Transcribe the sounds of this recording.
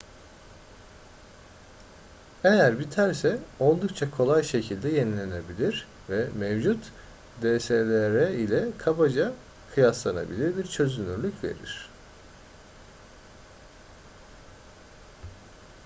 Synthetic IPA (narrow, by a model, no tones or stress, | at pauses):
e̞jæɾbit̪ʰæɾsɛo̞lˠd̪uk̚t͡ʃʰakʰo̞lˠajʃe̞cʰilʲd̪ɛjenilʲene̞bilʲiɾ | vɛmevd͡ʒut̪ | d̪eselʲeɾɛilʲɛkʰabad͡ʒa | kʰɯjaslˠana̰bilʲiɾbiɾt͡ʃʰø̞zynyɾlʲycve̞̰ɾḭɾ̝̥